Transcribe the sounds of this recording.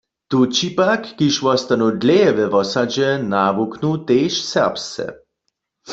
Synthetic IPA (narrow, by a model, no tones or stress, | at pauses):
t̪ut͡ʃipakːiʃwɔst̪anud̪lɛɛʋɛʋɔsad͡ʒɛnaʋuknut̪eːʃsɛʁpst͡sɛ̰